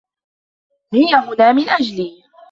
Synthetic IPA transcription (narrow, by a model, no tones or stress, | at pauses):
hɪjːaɦʊnaːmɪnʔad͡ʒliː